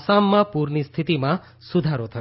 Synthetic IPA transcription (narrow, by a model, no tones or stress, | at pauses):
samːãpuɾnist̪ʰit̪imã | sud̪ʱaɾot̪ʰʌ